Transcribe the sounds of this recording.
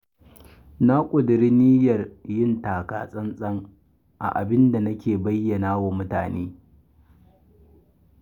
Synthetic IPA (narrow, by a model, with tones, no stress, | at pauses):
na˦kʷʼʊ˨dɪ˨ɾi˦ni˦jɐ˨rjɪ˦ntaː˨ka̰ː˦sʼɐ˦nsʼɐ˦ŋ | ʔa̰˨ʔa̰˨bɪ˦nda˨nɐ˦kʲeː˨bɐ˦jːɐ˨naː˦waː˨mʊ˦ta̰ː˨neː˦